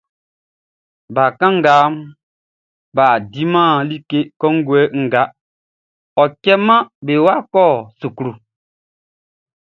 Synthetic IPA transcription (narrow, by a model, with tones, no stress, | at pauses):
ba˨kã˦ŋ̩˦ɡa˨˦m | ba˨di˦mã˦˨li˦ke˦kɔ˦ŋ̩˦ɡwɛ˨˦ŋ̩˨ɡa˨˦ | ɔ˨kɛ˦mã˦be˨wa˦kɔː˦˨su˨kɾu˨